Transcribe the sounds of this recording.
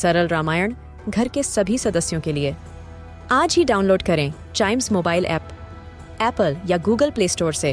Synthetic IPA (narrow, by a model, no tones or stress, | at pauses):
sɐɾəlɾaːmaːjəɳ̃ | ɡʱɐɾkesɐbʱisɐd̪əsjõkelie | aːd͡ʒɦiɖaːʊnloːɖkɐɾẽː | t͡ʃaːɪmzmoːbaːɪlʔɛ̰ːp | ɛːpəljaɡuːɡəlpleːsʈoːɾse